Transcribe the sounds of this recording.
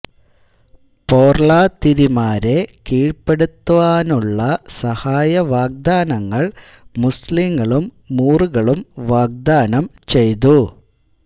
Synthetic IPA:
po̞ːrɭaːt̪iɾimaːɾe̞kiːɻpːe̞ɽut̪ːuʋaːnuɭːɐsɐhaːjɐʋaːɡ̚d̪aːnɐŋːɐɭ | musliŋːɐɭumː | uːruɣɐɭumʋaːɡ̚d̪aːnɐmt͡ɕe̞jt̪u

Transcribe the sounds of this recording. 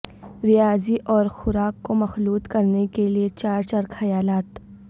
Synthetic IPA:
ɾɪjaːziʔɔːɾxʊɾaːkːomɐxluːt̪kɐɾnekeliet͡ʃaːɾt͡ʃɐɾkxɐjaːlaːt̪

